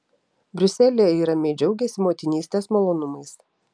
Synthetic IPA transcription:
bʲɾʲʊsʲɛlʲijɛiːɾɐmʲɛɪd͡ʒʲɛʊɡʲɛsʲɪmoːt̪ʲɪnʲiːsʲt̪ʲeːsmɔlˠoːnʊmɐɪs

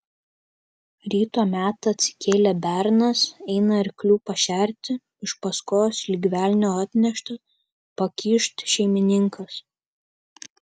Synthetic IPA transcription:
ɾʲiːt̪oːmʲæːt̪ɐɐt̪ʲsʲɪ̥kʲeːlʲɛbʲæɾnɐsɛɪnɐɪɾklʲuːpɐʃʲæˑɾʲt̪ʲɪ | ɪʃpɐskoːslʲiːɡʲʋʲæˑlʲnʲoːɑt̪ʲnʲɛʃt̪ɐ | pɐkʲiːʃt̪ʃʲɛɪmʲɪnʲɪŋkɐs

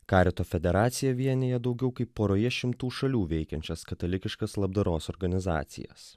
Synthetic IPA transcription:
kɑːɾʲɪt̪oːfʲɛd̪ʲɛɾɑːt̪sʲɪjɛʋʲiɛnʲeːjɛd̪ɒʊɡʲɛʊkɐɪpːoːɾoːjɛʃʲɪmt̪uːʃɐlʲuːʋʲɛɪkʲɛnʲt͡ʃʲɛskɐt̪ɐlʲɪkʲɪʃkɐslˠɐb̚d̪ɐɾoːsɔɾɡɐnʲɪzɑ̰ːt̪sʲɪ̰jɛ̰s

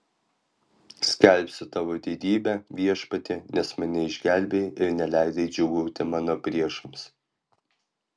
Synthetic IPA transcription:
sʲkʲɛlʲpʲsʲɪt̪ɑʋoːd̪ʲiːd̪ʲiːbʲæʋʲiɛʃpɐt̪ʲɪnʲɛsmɐnʲɛɪʒʲɡʲælʲbʲejɪɾnʲɛlʲæˑɪd̪ɐɪd͡ʒʲʊɡuʊt̪ʲɪmɑːnoːpʲɾʲiɛʃɐms

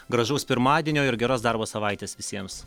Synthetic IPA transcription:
ɡɾɐʒuʊspʲɪɾmɑːd̪ʲiɛnʲoːɪɾɡʲɛɾoːsd̪ɐɾboːsɐʋɐɪt̪ʲeːsʋʲɪsʲiɛms

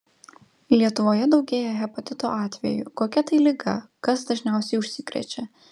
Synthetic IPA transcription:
lʲiɛt̪ʊʋoːjɛd̪ɒʊɡʲeːjɛɣʲɛpot̪ʲɪt̪oːʔɑːt̪ʲʋʲɛ̰jʊ̰koːkʲɛt̪ɐɪlʲɪɡɐkɐsd̪ɐʒʲnʲæˑʊsʲɛɪʊʃʲsʲɪkɾʲɛ̰t͡ʃʲɛ

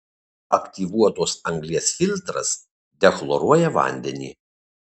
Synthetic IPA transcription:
ɐkt̪ʲiʋuɔt̪oːsɐŋɡlʲiɛsfʲɪlʲt̪ɾɐ̰s | d̪ʲɛklˠɔɾuɔjɛʋɐ̰nʲd̪ʲɛnʲḭː

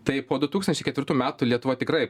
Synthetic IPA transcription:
t̪ɐɪpoːd̪ʊt̪uːksɐnʲt͡ʃʲɛɪkʲɛt̪ʋʲɪɾt̪uːmʲæːt̪ʊlʲiɛt̪ʊʋot̪ʲɪkrɐɪ

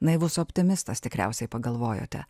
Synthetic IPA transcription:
nɐɪʋuːsʊɔpʲt̪ʲɪmʲɪst̪ɐst̪ʲɪkɾʲɛ̰ˑʊsʲɛɪpɐɡɐlˠʋoːjo̰ːt̪ʲɛ̰

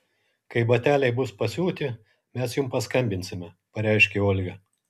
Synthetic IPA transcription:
kɐɪbɐt̪ʲæːlʲɛɪbʊspɐsʲuːt̪ʲɪ | mʲɛsjʊmpɐskɐmʲbʲɪnʲsʲɪmʲɛ | pɐɾʲɛɪʃʲkʲeoːlʲɡʲɐ

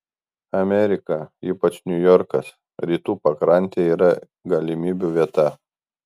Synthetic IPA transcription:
ɐmʲɛɾʲɪkɐiːpɐt͡ʃnʲʊjɔɾkɐs | ɾʲiːt̪uːpɐkɾɐˑnʲt̪ʲeːiːɾɐ | ɡɐlʲɪmʲiːbʲuːʋʲiɛt̪ɐ

